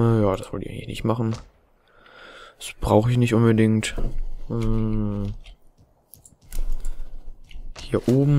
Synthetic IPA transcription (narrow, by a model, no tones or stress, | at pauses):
jaːd̥asv̥ɔltɪçʔaɪŋlɪçnɪ̰çtmaχn̩ | d̥asb̥ʁaʊxəɪç̬nɪçtʔʊnbədɪŋt̩ː | hiːɐʔoːbm̩